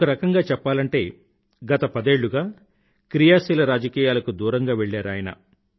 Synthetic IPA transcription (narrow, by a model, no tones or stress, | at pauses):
kɐɾɐkɐŋɡaːt͡ʃɛpːaːlɐɳʈe̞ː | ɡɐt̪ɐpɐd̪e̞ːɭːuɡaː | kɾijaːsiːlɐɾaːd͡ʒɐkiːjaːlɐkud̪uːɾɐŋɡaːʋeɭːaːɾaːjɐnɐ̰